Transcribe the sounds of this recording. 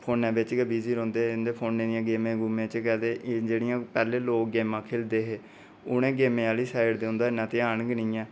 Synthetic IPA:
pʰoːnɛ̃ːbɪt͡ʃkəbiːziːɾõːnd̪eːnd̪eːpʰoːnːẽːd̪ɪjãːɡeːmẽːɡʊmãːt͡ʃkɛːd̪eːʔd͡ʒeːɽɪjãːpɛːleːloːkɡeːmãːkʰeːld̪eːɦeː | ʊnẽːɡeːmẽaːliːsaːɪɽd̪eːʊ̃nd̪aːɪnãːt̪eːaːnɡnĩːɛ̃ː

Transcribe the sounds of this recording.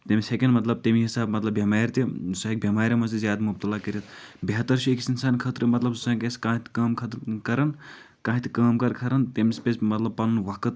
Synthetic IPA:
t̪emisekʲenɖmɐt̪lɐb̚t̪emiɦisaːbmɐt̪lɐbʱjɐmaːɾʲt̪izusaɦik̚bʱjɐmaːɾʲɐmɐzizjaːd̪mub̚t̪ɐlaːkɐɾit̪beɦɐt̪ːɐɾʃʰuekisinsaːnkʰɐt̪ɾmɐt̪lɐbzusãːkeskãːɦit̪ʰkaːmkʰɐt̪kɐɾɐn | kãːɦit̪kaːmkɐɾkʰɐɾɐnt̪emispʲesmɐt̪lɐb̚pɐnnʋɐkɨt̪

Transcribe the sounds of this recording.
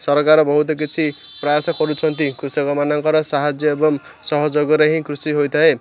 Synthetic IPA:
sʌɾkaɾʌbʌɦut̪ok̬it͡sʰi | prʌjasʌkʌɾut͡sʰʌnt̪ikrusʌɡʌmanaŋkʌɾʌsaɦad͡zjʌebʌm | sʌɦʌd͡zʌɡʌɾʌɦĩkrusiɦojt̪ʰʌɦe

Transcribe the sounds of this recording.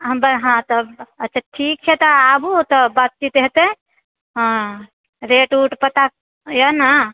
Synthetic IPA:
ɦəmbəɾɦãt̪ɔətːt͡ʃʰaʈʰik̚t͡ʃʰɛt̪ɔabut̪ɔbat̪̚t͡ʃit̪ɦɛt̪e | ɦ | ɾeʈuʈpət̪a | jəna

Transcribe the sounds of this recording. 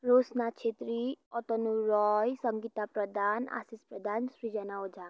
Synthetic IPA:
ɾosnat͡ʃʰet̪ɾiɔt̪ɔnuɾɔjsʌŋɡit̪apɾəd̪ʱana̰sispɾəd̪ʱansɾid͡ʒənaod͡ʒa

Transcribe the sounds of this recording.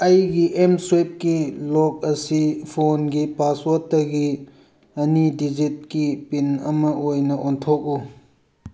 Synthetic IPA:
ɐjɡiʔemswep̚kilɔk̚ɐsipʰonɡipaswotɐɡi | ɐnidid͡ʒit̚kipinɐmɐʔojnɐʔontʰok̚u

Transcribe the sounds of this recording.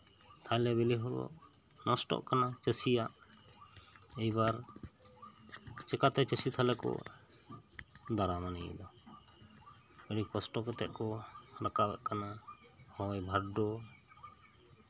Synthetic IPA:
t̪ʰajlɛbɛliɦɔbɔ̰ʔ | nɔsʈɔ̰ʔkanat͡ʃəsijaʔ | ɛjbaɾ | t͡ʃɛkat̪ɛt͡ʃəsit̪ʰalɛkɔ̰ | d̪aɾamanɛjɛ̰d̪ɔ | bɛɽikɔsʈɔkɛt̪ɛ̰ʔ̚kɔɾakabɛ̰ʔkana | hɔjbʱaɾɖɔ

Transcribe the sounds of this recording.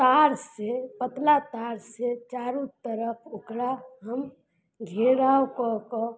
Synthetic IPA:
t̪aɾsepət̪lat̪aɾset͡ʃaɾut̪əɾəpʰokɾaɦəm | ɡʱeɾawkɔkɔ

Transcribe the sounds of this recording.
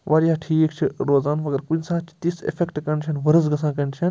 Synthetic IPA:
ʋaːɾjaːʈʰiːkt͡ʃʰiɾoːzaːnʋɐɡɐɾkunsaːt͡ʃʰi̥t̪isḛfʰekʈkɐɳt͡ʃʰɐnʋɐɾɐzɡɐsãːk̬ɐɳt͡ʃʰɐn

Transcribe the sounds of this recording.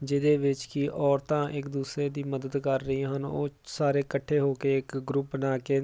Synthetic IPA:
d͡ʒɪd̪eːʋɪt͡ʃkɪʔɔːɾt̪ãːʔɪkd̪uːsɾeːd̪iːməd̪əd̪kəɾːəiɦənoːsaːɾeːkəʈʰːeːɦoːkeːɪkɡɾʊpnaːkeː

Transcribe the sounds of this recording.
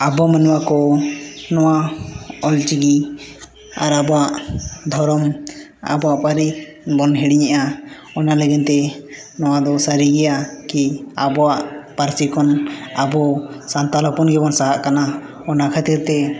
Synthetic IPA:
abɔmənwakɔ | nɔwaɔlt͡ʃiɡi | a̰ɾabɔwaʔd̪ʱɔɾɔm | a̰bɔaʔpaɾi | bɔnɦɛɽiɲɛʔa | ɔnaləɡɛnt̪ɛ | nɔwad̪ɔsəɾiɡɛjakiabɔwaʔpaɾsikɔnabɔsant̪alɔpɔnɡɛbɔnsaɦaʔkana | ɔnakʰat̪iɾt̪ɛ

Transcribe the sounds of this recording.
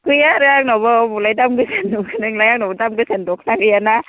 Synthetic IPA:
kɯjaɾɯaŋnɔbɯbulajdamɡɯsenukʰnɯŋlajaŋnɔwbɔdamɡɯsendɔkʰnaɡɯjana

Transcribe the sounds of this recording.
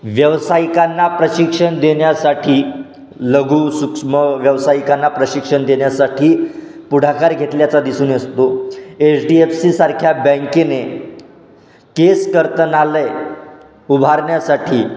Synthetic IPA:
ʋjəʋsaikanːapɾəɕikʂəɳd̪eɳjasaʈʰiː | ləɡʱuːsukʂməʋjəʋsajikanːapɾəɕikʂəɳd̪eɳjasaʈʰiː | puɽ̤ʱakaɾɡʱet̪ljat͡sad̪isuːnest̪oet͡sɖiefsiːsaɾkʰjabə̃ŋkene | keskəɾt̪ənalə | ubʱaɾɳjasaʈʰiː

